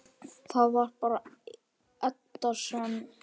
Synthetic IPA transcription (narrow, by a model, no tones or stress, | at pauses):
θaðvar̥paɾa | ɛt̪ːaɾsɔn